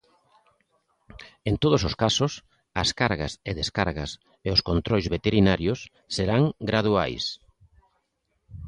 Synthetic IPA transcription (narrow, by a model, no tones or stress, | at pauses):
ent̪oð̞ʊsoskasʊs | ɐskaɾɣaseðeskaɾɣɐs | eʊskont̪ɾojzβet̪eɾinaɾjʊsː | eɾaŋɡɾað̞ua̰js